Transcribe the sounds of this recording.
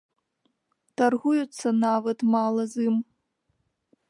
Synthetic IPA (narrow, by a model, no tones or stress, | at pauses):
t̪arɣujut̪sːɐnavɐt̪malˠɐzɨm